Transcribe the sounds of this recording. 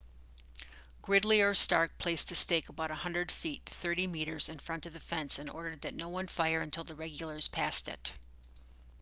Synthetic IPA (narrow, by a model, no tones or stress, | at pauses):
ɡ̥ɹɪdˡliə˞stɑɹk̚pʰl̥eɪstɨsteɪkəbaʊɾəhʌ̃ndɹɨd̥fitθɜ˞ɾimiɾə˞zɨ̃nfɹʌ̃ntʌvðɨfɛ̃nsɨ̃nɔ̰ɹɾə˞d̪̚ðɨtⁿnoʊwʌ̃nfaɪə˞ɨ̃ntʰɪlˠðəɹɛɡjl̩ˠə˞z̥pʰæstɪ̰t